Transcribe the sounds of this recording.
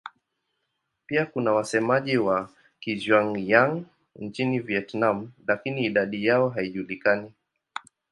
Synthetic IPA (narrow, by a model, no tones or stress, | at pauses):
piakunawasɛmaʄiwa | kiʒwaŋjaŋ | nt͡ʃiniviɛtnam̩lakiniːɗaɗijaɔɦaiʄulikani